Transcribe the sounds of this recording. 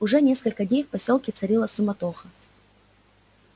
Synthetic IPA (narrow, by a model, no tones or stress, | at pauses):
ʊʐɛnʲe̞skəlʲkədʲnʲejfpɐsʲolˠkʲɪt̪sɐɾʲilˠəsʊmɐt̪oxə